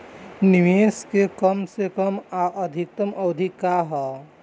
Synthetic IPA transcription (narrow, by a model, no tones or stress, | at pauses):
niʋeːskekəmsekəmaʔəd̪ʱik̚t̪əməʋd̪ʱikaɦɛ